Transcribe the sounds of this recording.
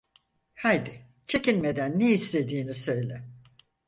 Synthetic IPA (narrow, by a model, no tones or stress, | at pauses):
hajd̪ɪ | t͡ʃʰe̞cinmed̪ænːeislʰe̞d̪iːnisø̞jlʲɛ